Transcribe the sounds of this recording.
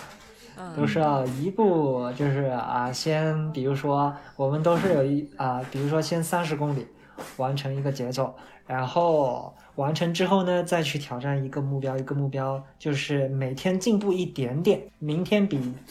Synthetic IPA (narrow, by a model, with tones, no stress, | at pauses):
t̪o˥ʊʂɻ̩˥ɑ˥˩ʊi˧˥pu˥˩t͡ɕjo˥˧ʊʂɻ̩˥˩ə̰˧ɕjɛ˥npi˨˩ɻu˧˥ʂwɔ˥wɔ˨˩mə˦nt̪o˥ʊʂ̬ɻ̩˥˩jo˨˩ʊi˥˩ə˧pi˨˩ɻu˧˥ʂwɔ˥ɕjɛ˥nsa˥nʂ̬ɻ̩˧˥kʊ˥ŋli˨˩˦ | wa˧˥nʈ͡ʂʰɤ˧˥ŋi˧˥ɡə˧t͡ɕjɛ˧˥t͡swɔ˥˩ | ɻa˧˥nxo˥˩ʊ | wa˧˥nʈ͡ʂʰɤ˧˥ŋʈ͡ʂɻ̩˥xo˥˩ʊnə˩t͡sa˥˧ɪt͡ɕʰy˥˩t̪ʰjɑ˨˩ʊʈ͡ʂa˥˩ni˧˥ɡə˧mu˥˩pjɑ˥ʊi˧˥ɡə˧mu˥˩pjɑ˥ʊt͡ɕjo˥˧ʊʂɻ̩˥˩me˨˩ɪt̪ʰjɛ˥nt͡ɕi˥˧ŋpu˥˧i˥˩t̪jɛ˧˥nt̪jɛ˨˩nmi˧˥ŋt̪ʰjɛ˥npi˨˩˦